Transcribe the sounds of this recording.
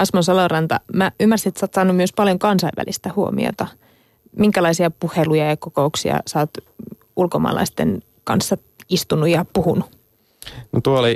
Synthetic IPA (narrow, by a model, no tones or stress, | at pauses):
ɑsmonsɑlorɑnt̪ɑ̰mæymːærsiet̪ːsɑːt̪sɑːnːumyøspɑljoŋkɑnsɑiʋːæ̰list̪æhuomḭo̰t̪ɑ | miŋkælɑisiɑpuhelujɑjɑkokouksiɑ̰sɑːt̪ | ulkomɑ̰ːlɑ̰ist̪en | kɑ̰nsːɑ | ist̪unujɑpuhunu | not̪uooli